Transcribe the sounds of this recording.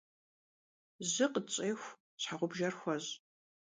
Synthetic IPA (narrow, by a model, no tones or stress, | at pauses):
zɨqət͡sʼeːxʷ | t͡ɕʰħaʁʷʊbʒɐrxʷɐz